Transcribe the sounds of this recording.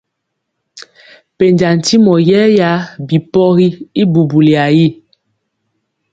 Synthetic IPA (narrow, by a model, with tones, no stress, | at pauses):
pe˨ɲd͡ʒa˨n̩˨ti˦mɔ˨jɛː˦ja˦bi˨pɔ˦ɣi˦i˦bu˨bu˨li˨a˨ji˦˨